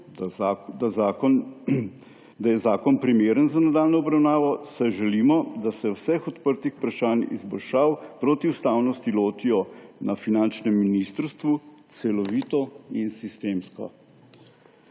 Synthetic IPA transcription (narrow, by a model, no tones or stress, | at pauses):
d̪azakɔn | d̪ajɛzaːkɔnpɾimeːɾənzanad̪aːlnɔɔbɾawnaːʋɔsɛʒɛlimɔd̪asɛwsɛxɔt̪pəɾt̪ixpɾaʃaːnḭzbɔlʃaːwpɾoːt̪iust̪aːwnɔst̪iloːt̪ijɔnafinant͡ʃnɛmːinist̪əɾst̪ʋut̪sɛlɔʋiːt̪ɔinsist̪eːmskɔ̰